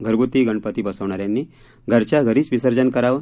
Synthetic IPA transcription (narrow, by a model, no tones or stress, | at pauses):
ɡʱəɾɡut̪ːiːɡəɳpət̪iːbəsəʋɳ̃aɾjãnːiː | ɡʱəɾt͡ɕjaɡʱəɾiːt͡sʋisəɾd͡ʑənkəɾaʋ